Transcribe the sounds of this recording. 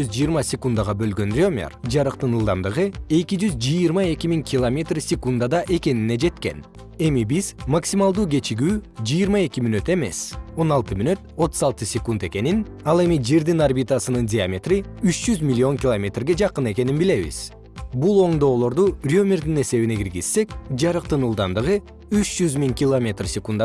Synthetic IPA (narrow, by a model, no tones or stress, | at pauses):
yzd͡ʒijiɾmɑsʲekund̪aʁɑbø̞lɡø̞nrʲo̞mʲḛrd͡ʒɑɾɯqt̪ɯnɯlˠd̪ɑmd̪ɯʁɯe̞kid͡ʒyzd͡ʒɯjɨɾmɑe̞kʲimiŋkʰʲɪlˠomʲe̞t̪rsʲekund̪ad̪ɑʔe̞ke̞nine̞d͡ʒe̞t̪ke̞̰n | e̞mibizmaksʲimalˠd̪uːɡe̞t͡ʃiɡyːd͡ʒɯjːɾmɑe̞kʲimynø̞t̪e̞me̞̰so̞nɑlˠt̪ɯmynøt̪o̞t̪u̥zɑlˠt̪ɯsʲekund̪e̞ke̞nin | ɑlˠe̞mid͡ʒe̞ɾd̪inarbʲit̪asɯnɯndʲɪamʲet̪riyt͡ʃd͡ʒyzmʲilʲːio̞ŋkʲɪlˠomʲe̞t̪rɡe̞d͡ʒɑqɯne̞ke̞ninbile̞βḭz̥ | bulˠo̞ɴd̪o̞ːlˠo̞ɾd̪urʲo̞mʲeɾd̪ine̞se̞βineɡiɾɡiz̥sːe̞kd͡ʒɑɾɯq̚t̪ɯnɯlˠd̪ɑnd̪ɯʁɯ | yt͡ʃd͡ʒyzmiŋkʲɪlˠomʲe̞t̪rsʲɪkund̪a